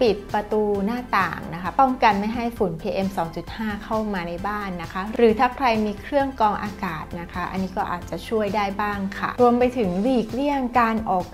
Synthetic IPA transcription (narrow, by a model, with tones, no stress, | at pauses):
pi˨˩t̪̚pɾa˧t̪uː˧naː˥˩t̪a̰ː˨˩ŋna˦˥kʰa˦˥pɔ˥˩ŋka˧nma˥˩jɦa˥˩jfu˨˩˦npʰiː˧ʔe˧msɔː˩˦ŋt͡ɕu˨˩t̪̚haː˥˩kʰa˥˩wmaː˧na˧jbaː˥˩nːa˦˥kʰa˦˥ɾɯː˩˦t̪ʰaː˥˩kʰɾa˧jmiː˧kʰɾɯ˥˩əŋkɔː˧ŋʔaː˧kaː˨˩t̪̚na˦˥kʰa˦˥ʔa̰˧nːiː˦˥kɔː˥˩ʔa̰ː˨˩t̪̚t͡ɕa˨˩t͡ɕʰu˥˩əjdaː˥˩jbaː˥˩ŋkʰa̰˥˩ɾu˧əmpa˧jt̪ʰɯ˩˦ŋliː˨˩k̚li˥˩əŋkaː˧nʔɔː˨˩k̚